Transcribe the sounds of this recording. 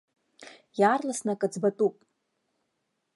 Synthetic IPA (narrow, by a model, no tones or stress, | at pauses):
jaːrlasnakʼad͡zbatʼupʼ